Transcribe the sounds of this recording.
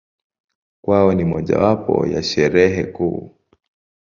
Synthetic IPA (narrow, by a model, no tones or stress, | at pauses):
kwaɔnimɔʄa̰wapɔ̰jaʃɛɾɛɦɛkṵː